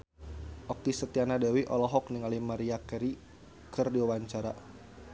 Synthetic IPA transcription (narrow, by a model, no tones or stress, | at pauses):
ʔɔkisət̪ianadawiʔɔlɔɦɔk̚niŋalimaɾiakɛɾi | kʰɨrdiwawaɲt͡ʃaɾa